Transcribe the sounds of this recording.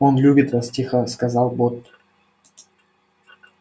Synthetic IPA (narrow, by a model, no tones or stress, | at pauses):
onlʲubʲɪt̪vastʲixəskɐzɑlˠbot̪ː